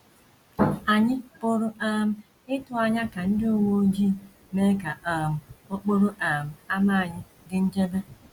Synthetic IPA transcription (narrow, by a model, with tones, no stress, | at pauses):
a˨ɲɪ˦pʊ˦ɾʊ˦a˦m̩˦ | ɪ˦tʊ˨a˨ɲa˦ka˨n̩˦dɪ˦o˦˨wo˦d͡ʒi˦˨ | me˦ka˨ʔa˨m̩˨o˦k͡po˦ɾo˦ʔa˨m̩˨a˦ma˦a˨ɲɪ˦ | dɪ˦n̩˦d͡ʒe˦be˦